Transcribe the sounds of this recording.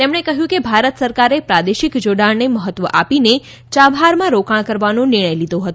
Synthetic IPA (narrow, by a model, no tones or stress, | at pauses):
t̪emɳekəɦjũkebʱaɾət̪səɾkaɾepɾad̪eʃikd͡ʒoɽaɳneməɦət̪ːʋəʔapine | t͡ʃabɦaɾmãɾokaɽ̃kəɾʋanõnɪɾɳ̃əjlid̪ʱoɦət̪õ